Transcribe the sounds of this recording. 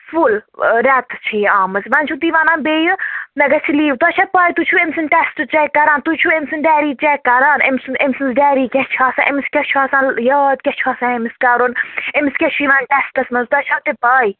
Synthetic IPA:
fulɾɛt̪t͡ʃʰiaːmɨzʋɐnt͡ʃʰut̪iʋanãːnbeːjɨnɐɡɐt͡ʃʰiliːwt̪ɐt͡ʃʰɐpaːjt̪ut͡ʃʰuemsinʈɛsʈɨt͡ʃɛkːɐɾaːnt̪ut͡ʃʰuemsɨnɖɛːɾiːt͡ʃɛkːɐɾaːnemsɨnemsinzɖɛːɾiːkʲɛt͡ʃʰaːsãʔemiskʲɛt͡ʃʰaːsãːnjaːd̪kʲɛt͡ʃʰuasãːemiskɐɾonemiskʲɛt͡ʃʰiʋaːnʈɛsʈɐsmɐnzt̪ɐt͡ʃʰɐt̪epaːj

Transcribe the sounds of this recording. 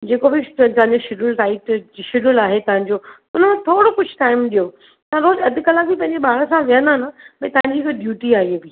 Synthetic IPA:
d͡ʑeːkobɪt̪ɐ̃ɦə̃ɲd͡ʑoʃɪɖəlsaːɪʈd͡ʑiʃɪɖʊlaːɦet̪ɐʋɦə̃ɲd͡ʑoː | ʊnəmẽt̪ʰoːɽokʊd͡ʑʱʈaːɪmɗijo | t̪ɐɐɾoːlɐd̪ʱɪkəlãbipɐ̃ɦɪ̃ɲd͡ʑeɓaːɽəsãʋijə̃nd̪aːnəbɐ̃ĩt̪ɐʋə̃ɲd͡ʑikʰeɖjuːʈiaːɦiobɪ

